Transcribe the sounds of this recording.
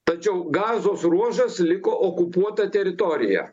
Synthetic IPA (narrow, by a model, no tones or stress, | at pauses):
t̪ɐt͡ʃʲɛʊɡɑːzoːsruɔʒɐslʲɪkoːʔoːkʊpuɔt̪ɐt̪ʲɛɾʲɪt̪oɾʲɪjɛ̰